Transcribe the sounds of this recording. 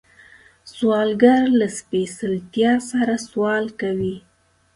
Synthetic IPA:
swɑlɡaɾlaspesɪlt̪jɑsaɾaswɑlkawi

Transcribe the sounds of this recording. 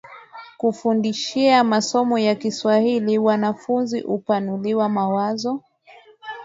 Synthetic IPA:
kufundiʃiamasɔmɔjakiswahiliwanafunziʔupanuliwamawazɔ

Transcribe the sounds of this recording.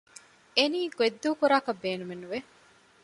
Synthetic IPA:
eniːɡ̥ued̪ːuːkuɾaːkɐbːeːnumenːuʋe

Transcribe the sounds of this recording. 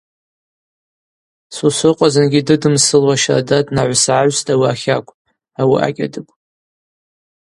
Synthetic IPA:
susɨqʷʼazɨnɡʲidɨdɨmsɨlwaʃadadnaʕʷsʕaɥstʼawiaχʲakʷʼ | awiʔa̰kʲʼa̰dɨpʼ

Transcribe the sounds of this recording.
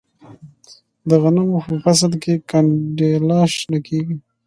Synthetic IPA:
d̪əɣanamopəfas̬alkekaɳɖelɑʃnakeɡi

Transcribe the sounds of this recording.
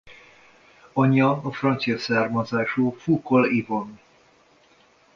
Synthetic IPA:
ɒɲːɒːfrɒnt̪sijɒsaːrmɒzaːʃuːfukolivon

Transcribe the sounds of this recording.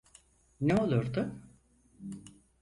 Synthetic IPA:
neo̞lˠuɾd̪ʊ

